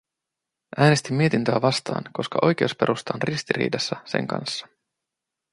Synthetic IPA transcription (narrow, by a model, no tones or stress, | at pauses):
ʔæːne̞st̪imːie̞t̪int̪øæʋɑst̪ɑ̰ːnko̞skɑʔo̞jk̟e̞uspe̞ɾust̪ɑnrist̪iɾḭːdɑsːɑsḛŋkɑ̰nsːɑ̥